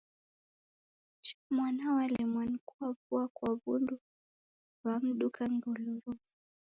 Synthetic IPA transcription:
t͡ʃɔ̥mwanawalimwanikuavuakwaβundu | vam̩ɗukaŋɡɔluɾuzi

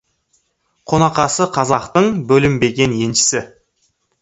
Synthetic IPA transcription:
qʰo̞nɑqɑsəqʰɑzɑqt̪əɴbɵlɪmbe̞ɡʲe̞nje̞nʃɪ̥sɪ

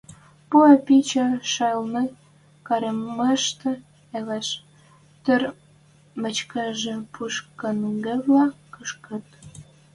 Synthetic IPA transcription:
puepit͡ɕɑʃɑlne | kɑɾemːɑʃt̪ĕ | eleʃ | t̪ər | mə̆t͡ɕkeʒĕpʰuʃkənŋɡevlɑkəʃkə̆t̪̚

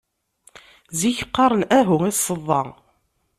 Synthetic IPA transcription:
ziçə̥qːɑɾˤənæɦuŋiθsəðˤːɑ̰

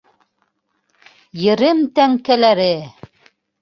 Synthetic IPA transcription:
jɘ̆ɾɘmt̪æŋkælæɾɘ

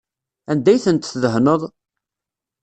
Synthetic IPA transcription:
ænd̪æjθənt̪θðəɦnəðˤ

